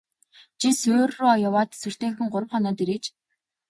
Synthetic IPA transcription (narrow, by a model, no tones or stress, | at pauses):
t͡ɕʰisɵːrːʊːɔjʊwaːt̪sɵr̥t̪eːŋ̆xɘ̆ŋɢʊɾə̆wχɔnɔːt̪iɾeːkt͡ɕ